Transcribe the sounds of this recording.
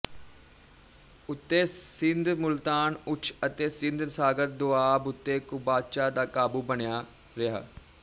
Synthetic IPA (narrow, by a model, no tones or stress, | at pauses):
ʊt̪ːeːsɪnd̪mʊlt̪aːnʊt͡ʃʰət̪eːsɪnd̪nsaːɡət̪̚d̪ʊaːbʊt̪ːeːkʊbaːt͡ʃaːd̪aːkaːbuːbəɳjaː | ɾɪa̰ː